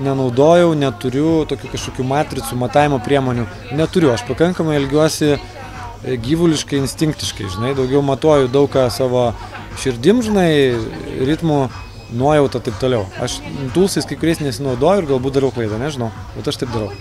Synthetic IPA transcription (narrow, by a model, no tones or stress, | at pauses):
nʲɛnɐʊd̪oːjɛʊnʲɛt̪ʊɾʲʊt̪oːkʲuːkɐʃkoːkʲuːmɑːt̪ʲɾʲɪt͡sumɐt̪ɑːjʲɪmoːpʲɾʲiɛmoːnʲu | nʲɛt̪ʊɾʲʊɐʃpɐkɐŋkɐmɐɪɐlʲɡʲuɔsʲɪ | ɡʲiːʋʊlʲɪʃkɐɪɪnʲsʲt̪ʲɪŋkt̪ʲɪʃkɐɪʒʲɪnɐɪd̪ɐʊɡʲɛʊmɐt̪oːjʊd̪ɐʊkkɑːsɑːʋoː | ʃʲɪɾʲd̪ʲɪmʒʲɪnɐɪɾʲɪt̪muː | nuɔjɛʊt̪ɐt̪ɐɪp̚t̪oːlʲɛʊɐ̰ʃt̪uːlˠsɐɪskɐɪkʊɾʲɛɪsnʲɛsʲɪnɐʊd̪oːjʊɪɾɡɐlˠbut̪̚d̪ɐɾɛʊklˠɐɪd̪ɐnʲɛʒʲɪnɐʊ | bʲɛt̪ɐʃt̪ɐɪp̚d̪ɐɾɐʊ